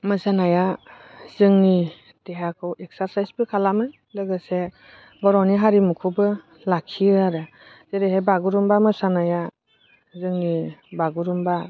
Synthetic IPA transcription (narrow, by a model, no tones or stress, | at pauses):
mɯsanaja | z̥ɯŋni | teɦakʰɯweksaɾsajsbikʰalamɯ | lɯɡɯse | bɔɾɔniɦaɾimukʰubɯ | lakʰiaɾɯ | z̥eɾeɦejbaɡuɾumbamɯsanaja | zɯŋnibaɡuɾumba